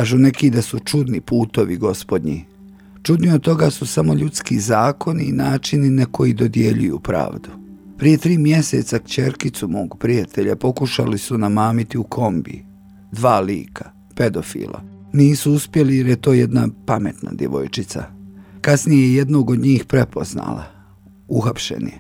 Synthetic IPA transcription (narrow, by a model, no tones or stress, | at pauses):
aːʒune̞kid̪asut͡ʃud̪nipuːt̪o̞ʋiɡo̞spo̞d̪ɲḭ | t͡ʃud̪niod̪̚t̪o̞ɡasusamo̞ʎut̪skizaːkʰo̞niːnaːt͡ʃininako̞jid̪o̞d̪je̞ʎujṵːpɾa̰ːʋd̪upɾije̞t̪ɾiːmje̞sḛt̪sakt͡ɕe̞ɾkit̪sumo̞ːɡpɾijat̪ʰe̞ʎapo̞kuʃa̰lisunamaːmit̪iukʰo̞mbḭ | d̪ʋaːlḭːkʰa | pe̞d̪o̞fḭːlˠa̰niːsuuspje̞lijeɾjet̪o̞ːjed̪napame̞t̪na̰d̪ʲje̞̰ʋo̞̰jt͡ʃit̪sa̰kasnijeje̞d̪no̞ːɡo̞d̪ɲiːxpɾe̞po̞zna̰ːla̰ | uxapʃḛnḭ